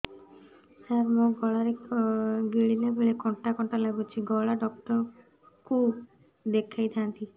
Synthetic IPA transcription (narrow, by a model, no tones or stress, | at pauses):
haɾmoɡɔɭaɾe | ɡiɭilebeɭekɔɳʈakɔɳʈalaɡut͡ʃʰiɡɔɭaɖɔkʈɔɾ | kʰub | d̪ekʰːajt̪ʰãnt̪i